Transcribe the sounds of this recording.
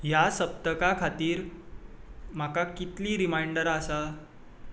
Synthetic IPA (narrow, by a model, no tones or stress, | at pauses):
jasəp̚t̪əkakʰat̪iːɾ | m̤akakit̪liːɾimajɳɖəɾasa